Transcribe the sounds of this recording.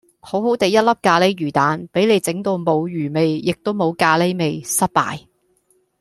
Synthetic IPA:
ho˨˥who˨˥wt̪e˨˧jɐ˥t̚lɐ˥p̚kaː˧le˥ɥyː˨˩t̪aː˨˥npe˨˥jle˨˧jt͡sɪ˨˥ŋt̪o˧wmo˨˧wjyː˨˩me˨jjɪ˨k̚t̪o˥wmo˨˧wkaː˧le˥jme˨˧jsɐ˥t̚pa̰ː˨j

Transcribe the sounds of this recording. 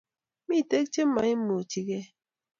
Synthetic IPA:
mi˦˨te˦k̚t͡ʃe˦m˦ma˨i˦mo˨ti˦ɣe˦

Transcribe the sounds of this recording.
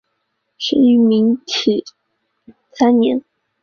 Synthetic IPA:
ʂə˧˥y˧˥mi˧˥ŋtʰi˨˩ | sa˥nnjɛ˧˥n

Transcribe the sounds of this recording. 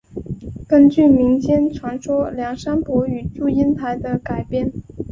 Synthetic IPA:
kə˥nt͡ɕy˥˩mi˧˥ŋt͡ɕjɛ˥nʈ͡ʂʰwa˧˥nʂwɔ˥ljɑ˨˥˩ŋʂa˥npwɔ˧˥y˨˩t͡ɕu˥˩i˥nt̪ʰa˧˥ɪd̪ə˧ka˨˩ɪpjɛ˥˩n

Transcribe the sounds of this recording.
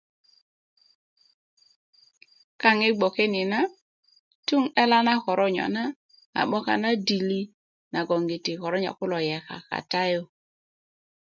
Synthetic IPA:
ka˦ŋɪ˦ɡ͡bɔ˨ke˦ni˨na˦ | ttu˦ŋɛ˦la˦na˦kɔ˨ɾʔɔ˦ɲɔ̰˨na˦ | a̰˨ɓɔ˦ka̰˨na˦di˨li˦ | na˨ɡɔ˨ŋɡi˨ti˨kɔ˨ɾɔ˦ɲa̰˨kʊ˦lɔ˨jɛ˨ka̰˨ka̰˨ta˦jo˦

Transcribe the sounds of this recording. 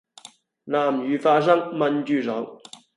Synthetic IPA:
naː˨˩mjyː˨˥faː˧˥s̬ɐ˥ŋmɐ˧nt͡ɕyː˥˧˩sɔ˨˥w

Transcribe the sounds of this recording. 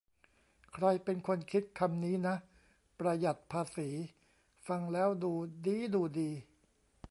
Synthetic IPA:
kʰɾa˧jpe˧nkʰo˧nkʰi˦˥t̪̚kʰa˧mniː˦˥na˦˥ʔ | pɾa˧ja˨˩t̪̚pʰaː˧siː˩˦ | fa˧ŋlɛː˦˥wduː˧diː˦˥duː˧diː˧

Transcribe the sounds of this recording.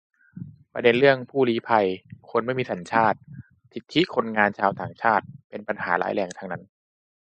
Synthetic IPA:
pɾa̰˧de˧nlɯ˥˩əŋpʰuː˥˩liː˦˥pʰa˧jkʰo˧nma˥˩jmiː˧sa˩˦nt͡ɕʰaː˥˩t̪̚ | sʰi˨˩t̪ʰːi˦˥kʰo˧nŋaː˧nt͡ɕʰaː˧wt̪aː˨˩ŋt͡ɕʰaː˥˩t̪̚pe˧npa˧nhaː˩˦la̰ː˨˦˥jlɛː˧ŋt̪ʰaː˧ŋna˦˥n

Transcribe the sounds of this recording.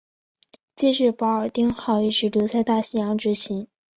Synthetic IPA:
t͡ɕɛ˥˧ʂɻ̩˥˩pɑ˧˥ə˞˨˩t̪i˥ŋxɑ˥˩ʊi˥˩ʂɻ̩˧˥lu˧˥t͡sʰa˥˧ɪt̪a˥˩ɕi˥˩jɑ˧˥ŋʈ͡ʂɻ̩˧˥ɕi˧˥n

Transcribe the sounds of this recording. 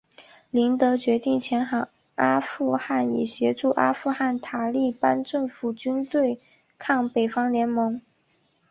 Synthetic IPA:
li˧˥nt̪ɤ˧˥t͡ɕɥɛ˧˥t̪i˥˩ŋt͡ɕʰjɛ˧˥nxɑ˨˩˦ | a˥fu˥˧xa˥˩nḭ˨˩ɕjɛ˧˥ʈ͡ʂu˥˩ʔa̰˥fu˥˧xa˥˩nt̪ʰa˨˩li˥˩pa˥nʈ͡ʂɤ˥˩ŋfu˨˩t͡ɕy˥nt̪we˥˩ɪ | kʰɑ˥˩ŋpe˨˩ɪfɑ˥ŋljɛ˧˥nmɤ˧˥ŋ

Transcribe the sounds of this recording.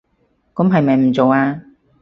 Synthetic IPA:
kʊ˨˥mɦɐ˨jmɐ˨jm̩˨˩t͡so˨˧waː˧

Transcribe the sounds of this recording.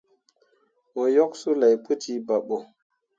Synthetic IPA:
wo˨jɔ˦k̚su˦la˨jpu˦ti˦ba˨ɓo˨

